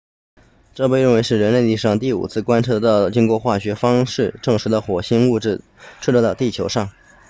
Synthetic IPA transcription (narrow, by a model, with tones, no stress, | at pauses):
ʈ͡ʂɤ˥˧pe˥˧ɪɻə˥˩nwe˧˥ɪʂɻ̩˥˩ɻə˧˥nle˥˧ɪli˥˧ʂɑ˥˧ŋt̪i˥˩ṵ˨˩t͡sʰɹ̩˥˩kwa˥nʈ͡ʂʰɤ˥˧t̪ɑ˥˩ʊt͡ɕi˥ŋkwɔ˥˧xwa˥˩ɕɥɛ˧˥fɑ˥ŋʂɻ̩˥˧ʈ͡ʂɤ˥˩ŋʂɻ̩˧˥d̪ə˧xwɔ˨˩ɕi˥ŋu˥˧ʈ͡ʂɻ̩˥˩ | ʈ͡ʂ̩ʰ˥˧ʈ͡ʂɤ˥˧˥t̪ɑ˥˧ʊt̪i˥˩t͡ɕʰjo˧˥ʊʂɑ˥˩ŋ